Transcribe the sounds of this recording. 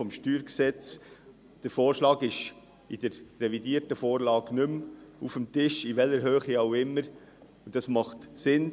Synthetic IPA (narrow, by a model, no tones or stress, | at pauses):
ɔmʃtyːɾksɛt͡s | d̥əɾfoːɾʃlɑːɡɪʃ | id̥əɾːɛvidiːɾtəfoːɾlɑːɡnʏmufəm̩tɪʃiʋɛlːəɾɦøːχiaʊɪmːəɾ | ud̥ɑsmɑχtsɪn